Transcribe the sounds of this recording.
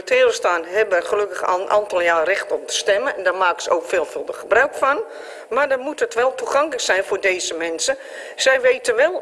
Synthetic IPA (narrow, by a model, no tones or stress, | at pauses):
ətʰeːrəstaːnɦɛbəχəløkəχnʔa̰lˠtəlˠjaːrɪxtɔp̚dəstɛmənɛndarmaːksəo̰wkfɪːlˠfølˠdəχəbraɥkfɔn | madərmutətʋɛlˠtuχɑŋkləksɛjnfoːrdeːzəmɛnsə | sɛjʋeːtəʋɛlˠ